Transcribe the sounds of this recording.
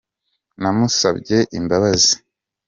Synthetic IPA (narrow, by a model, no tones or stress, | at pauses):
namusabɟe̞ʔimbaβazi̥